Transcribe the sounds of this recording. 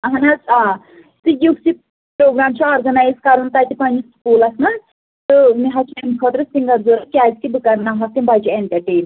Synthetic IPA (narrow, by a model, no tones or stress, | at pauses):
ɐɦɐnɐzaː | t̪ɨjusi | pɾoːɡɾaːmt͡ʃʰɐɔːɾɡɐnaːjzkɐɾunt̪ɐt̪ipɐnd͡ʒiskuːlɐsnɐ | t̪ɨmiɦɐt͡ʃʰmemkʰoʈɾɨsiŋɡɐɾzoɾɐkʲaːzkib̪ukɐɾnaɦɐst̪imbɐd͡ʒieɳʈɐɾʈeːn